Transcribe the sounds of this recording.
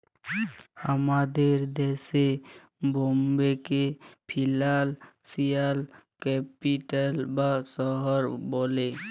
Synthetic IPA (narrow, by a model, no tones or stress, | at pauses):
həmad̪eɾd̪eːse | boːmbekepʰɪlalsijalkɛpiʈəlbasɔɦəɾboːle